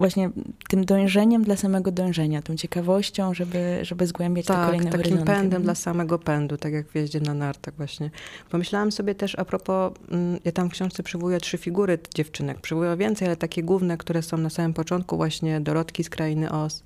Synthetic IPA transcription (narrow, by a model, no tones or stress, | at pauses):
vwaɕɲɛt̪ɘmd̪ɔ̃j̃ʐɛɲɛmd̪lasamɛɡɔd̪ɔ̃j̃ʐɛɲat̪ɔ̃w̃t͡ɕɛkavɔɕt͡ɕɔ̃w̃ʐɛbɘʐɛbɘzɡwɛmbʲjat͡ɕt̪ɛakɔɛjt̪naɾkzimɔpɛnd̪ɛmd̪lasamɛɡɔpɛnd̪ut̪akʲjaɡvjɛʑd͡ʑɛnanaɾt̪aɡvwaɕɲɛpɔmɘɕlawamsɔbʲjɛt̪ɛʂapɾɔpɔjat̪amfkɕɔ̃w̃ʂt̪sɛpʂɛvɔujɛtʂɘfʲiɡuɾɘd͡ʑɛft͡ʂɘnɛk̚pʂɛvujɔ̃vʲjɛnt̪sɛjalɛt̪akʲɛɡwuvnɛkt̪uɾɛsɔ̃w̃nasamɘmpɔt͡ʂɔnt̪̚kuvwʔaɕɲɛd̪ɔɾɔt̪kʲiskɾʔajinɘʔɔs